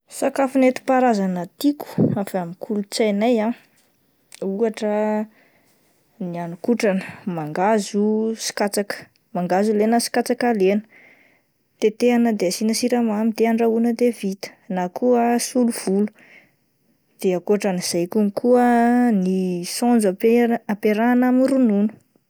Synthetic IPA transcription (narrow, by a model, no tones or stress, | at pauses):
sakafunet̪i̥paɾazanət̪iku̥afamikʰulut͡sajnaja | uaʈ͡ʂə | nianukuʈ͡ʂanəmaŋɡazusi̥kat͡sakə̥ | maŋɡazulenəsi̥kat͡sakalenə̥ | t̪et̪eanəd̪easinəsiɾamamid̪eaɳɖ͡ʐaunəd̪evit̪ə̥nakʰuəsuluv̥ulu̥ | d̪̥eakuaʈ͡ʂaniz̥ajkumikʰuənisɔnd͡zaapeɾanamiɾununu̥